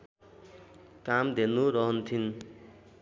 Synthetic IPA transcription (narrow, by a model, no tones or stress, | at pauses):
kamd̪enuɾʌɦʌnt̪ʰin